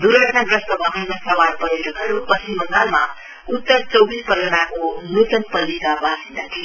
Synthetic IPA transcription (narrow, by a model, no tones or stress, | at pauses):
d̪uɾʌʈʰnad̪ɾʌst̪ʌbʌɦajnasʌwaɾpʌɾjod͡ʒʌkɦʌɾupʌsimʌnd̪alma̰ | ut̪ːʌɾt͡sʌwbispʌɾənakonut̪ʌnpʌlikabasind̪at̪ʰi